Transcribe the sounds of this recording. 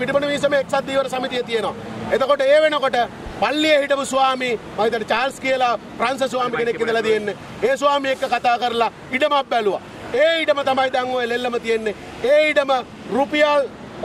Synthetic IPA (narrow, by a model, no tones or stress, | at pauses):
iʈibənuʋiːsəmeːksat̪̚d̪iːʋəɾəsamit̪ijət̪ijenoʋa̰ | et̪okoʈəeːʋenokoʈəpalːijəɦiʈəmusuʋaːmimaɦit̪ɐnt͡ʃaːlskijəlapɾans̬əs̬uʋaːmikenekkːed̪əlat̪ijenːe | eːsuʋaːmiekːəkat̪aːkəɾɐla | iɖəmabːæluʋa̰ | eːiɖəmət̪amajd̪aŋːoelelːəmət̪ijenːe | eːiɖəmə | rupijal